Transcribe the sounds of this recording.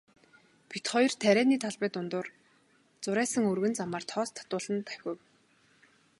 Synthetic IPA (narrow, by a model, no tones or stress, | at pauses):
pit̪χɔjr̥t̪ʰæɾæːniːt̪ʰaɮpæːt̪ʊnt̪ʊːr | t͡sʊɾæːsə̆ŋɵrɣɘ̆nt͡samaːr̥t̪ʰɔːst̪ʰḁt̪ʊːɮə̆nt̪æ̥wʲə̆w